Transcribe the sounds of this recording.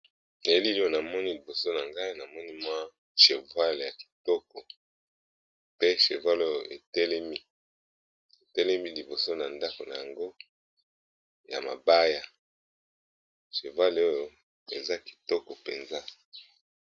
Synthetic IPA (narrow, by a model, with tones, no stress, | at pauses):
ne˨˦li˦lo˦o˨na˨mɔ˦ni˦li˨bo˨so˦na˨ŋɡa˦i˦na˨mɔ˦ni˦mwa˦ | ʃe˨vwa˦le˨ja˨ki̥˨tɔ˦kɔ˨ | pe˦ʃe˨vwa˦lo˦jo˨ʔe˨tɛ˦lɛ˦mi˦ | e˨tɛ˦lɛ˦mi˦li˨bo˨so˦na˨nda˦ko˨na˨ja˨ŋɡo˦ | ja̰˨ma̰˨ba˦ja˨ | ʃe˨va˦lo˦jo˨ | ḛ˨za˦ki̥˨tɔ˦kɔ˨pḛ˨nza˦